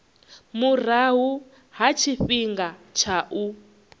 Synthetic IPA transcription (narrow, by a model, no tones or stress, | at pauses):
mur̤aɦu | ɦat͡ʃʰiɸiŋɡat͡ʃʰaʔu